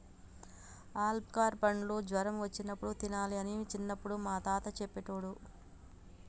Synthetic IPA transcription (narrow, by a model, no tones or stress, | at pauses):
aːlb̚kaːɾpɐɳlo̞ːd͡ʒʋɐɾɐmʋɐt͡ʃːinɐpːuɽut̪inaːliɐnit͡ʃinːɐpːuɽumaːt̪aːt̪ɐt͡ʃɛpːeʈoːɽu